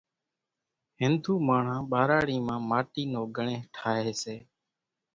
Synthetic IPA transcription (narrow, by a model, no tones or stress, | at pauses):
ɦɪnd̪ʱuːmaːɳ̤ãːɓaːɾaːɽiːmãːmaːʈiːnoːɡʱəɳẽːʈʰaːɦeːseː